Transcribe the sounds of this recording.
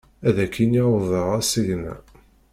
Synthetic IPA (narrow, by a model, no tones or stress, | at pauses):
æðækʰːinivəʁæsəʝnæ̰